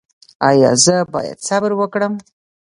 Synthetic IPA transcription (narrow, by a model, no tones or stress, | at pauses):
ɑjɑ̰zəbɑ̰ja̰d̪sabɾwəkɽəm